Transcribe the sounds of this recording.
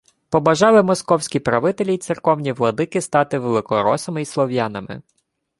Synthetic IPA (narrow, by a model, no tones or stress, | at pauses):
pɔbɐʒɑlˠɪmɔskɔwsʲkʲipɾɐʋɪt̪elʲit̪sɪrkɔwnʲiʋlˠɐd̪ɪkɪst̪ɑt̪ɪʋelˠɪkɔɾɔsɐmɪislˠɔwjɑnɐmɪ̰